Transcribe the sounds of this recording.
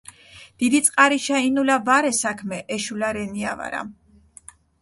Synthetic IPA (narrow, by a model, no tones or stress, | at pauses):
d̪̥id̪it̪sʼqʼaɾiʃainulabaɾɛsakʰmɛʔɛʃulaɾɛniava̰ɾa̰